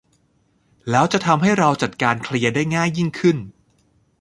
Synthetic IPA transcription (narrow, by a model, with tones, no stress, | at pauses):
lɛː˦˥wt͡ɕa˨˩t̪ʰa˧mɦa˥˩jɾa˧wt͡ɕa˨˩t̪̚kaː˧nkʰli˧ɐdaː˥˩jŋaː˥˩jːi˥˩ŋkʰɯ˥˩n